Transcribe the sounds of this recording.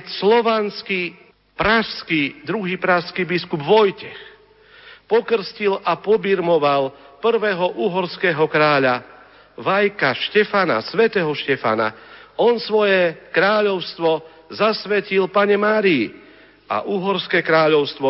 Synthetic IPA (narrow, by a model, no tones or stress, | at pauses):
slɔʋanski | pɾaʃskid̪ɾuɦiːpɾaʃskibiskubʋɔjcɛx | pɔkr̩scilapɔbiɾmɔʋalpr̩ʋɛːɦɔʔuːɦɔɾskɛːɦɔkɾaːʎa | ʋajkaʃcɛfana̰sʋɛt̪ɛːɦɔʃcɛfa̰na̰ɔnsʋɔjɛkɾaːʎɔʊst̪ʋɔ | zasʋɛcilpaɲɛmaːɾii | a̰ʔuːɦɔɾskɛːkɾaːʎɔʊst̪ʋɔ